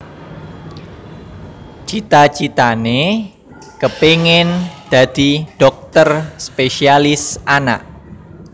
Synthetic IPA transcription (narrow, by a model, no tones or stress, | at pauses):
t͡ʃit̪at͡ʃit̪ane | kəpeŋɪnd̪̥a̤d̪̥i̤ɖ̥ɔk̚t̪ərspeʃialɪsana̰ʔ